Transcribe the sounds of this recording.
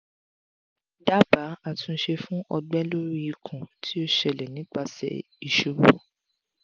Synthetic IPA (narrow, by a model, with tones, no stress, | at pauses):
da˦ba˨˦a˨tũ˧˦ʃe˧fũ˦ʔɔ˧ɡ͡bɛ˦lo˦ɾi˦i˧kʰũ˨tʰi˦o˦ʃɛ˨lɛ˨nĩ˨˦k͡pa˧sɛ̰˧˨ | i˨ʃu˨ɡ͡bo˨˦